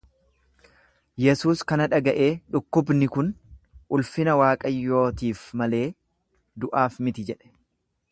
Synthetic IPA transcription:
jɛsuːskɐnɐᶑɐɡɐʔe̞ːᶑʊkːʊbnɪkʊnʔʊlfɪnɐwaːkʼɐjːo̞ːt̪iːfmɐle̞ː | d̪ʊʔaːfmɪt̪ɪd͡ʒɛᶑɛ̥

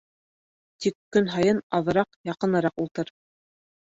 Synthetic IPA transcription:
t̪ikːɵnɦɑjɤnɑðɤ̆ɾɑqjɑqɤ̆nɤ̆ɾɑqulˠt̪ɤɾ

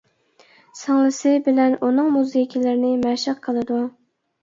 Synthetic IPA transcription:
sɑŋlˠɨsɪbɪlɛnʔunɨŋmuzɪjikʲʰilɪɾɪnɪmɛʃɑqqʰəlˠɨd̪u

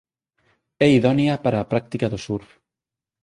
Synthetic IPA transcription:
ɛiðɔnjapaɾaːpɾak̚t̪ikaðosuɾ

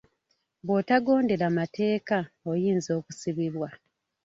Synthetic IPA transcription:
βotaɡo̞ːnde̞ɾamate̞ːkaojiːnzo̞ːkusiβiβwa

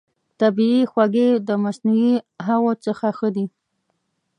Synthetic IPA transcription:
t̪abiixwaɡed̪əmasnuwiɦawot͡səxaxəd̪i

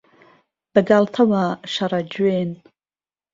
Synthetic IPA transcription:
b̥aɡaltʰawaʃaɾad͡ʒen

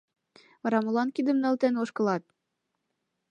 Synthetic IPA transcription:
ɑɾɑmulɑnkʲid̪ə̆mnɤ̆lt̪ɘ̆noʃkɤ̆lˠɑt̪̚

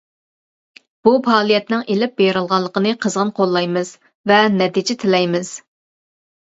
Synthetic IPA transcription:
b̥upʰɑːlˠijɛt̪nɪŋelɪp̚beɾɨlˠʁɑlˠːəqənɨqʰəzʁɑnqʰolˠːɑjmɨz̥ | vɛnɛt̪id͡ʒɪt̪ʰɪlɛjmɪz̥

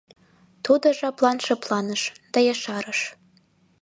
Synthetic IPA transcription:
t̪ʰod̪ɤʒɑplˠɑnʃɤplˠɑnəʃd̪̥ɑjɑʃɑɾɤ̆ʃ

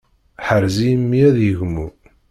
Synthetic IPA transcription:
ħəɾzijəmːiæðjəʝmu

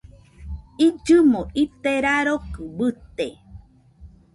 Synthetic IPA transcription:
id͡ʒɨmõʔit̪eɾaɾokɨbɨt̪e

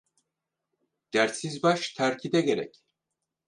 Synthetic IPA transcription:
d̪̥æɾt̪sizbaʃt̪ʰæɾcʰid̪ɛɟeɾɛ̰c

